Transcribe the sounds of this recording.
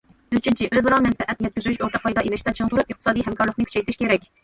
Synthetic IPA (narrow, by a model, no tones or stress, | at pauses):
yt͡ʃʰynt͡ʃʰiʔøzɾɑmɛnfɛʔɛt̪njɛt̪̚kʲyzyyʃoɾt̪ʰəqʰɑjd̪ɑʔenɪʃt̪ɛt͡ʃʰɪŋt̪ʰuɾɨpəχqt̪ə̥ɨsɑːd̪ijɦɛmkʰɑɾlˠəχnɨkʰʲy̥t͡ʃʰɛjt̪ʰɪʃkʲʰeɾɛkʲ